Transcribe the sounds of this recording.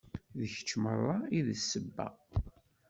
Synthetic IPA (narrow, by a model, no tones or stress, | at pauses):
ðəçə̥t͡ʃːmərˤːaiðəsːəbːæ̰